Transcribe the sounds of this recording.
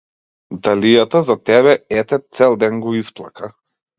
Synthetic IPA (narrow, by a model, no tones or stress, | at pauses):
d̪alʲijat̪azat̪ɛβɛɛt̪ɛt̪sɛlˠd̪ɛnɡɔisplˠakʰa